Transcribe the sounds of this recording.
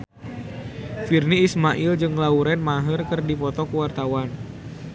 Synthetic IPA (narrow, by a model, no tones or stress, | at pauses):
firniːsmaʔild͡ʒɨŋlauɾɛnmaɦərkɨrdipɔt̪ɔkəwart̪awan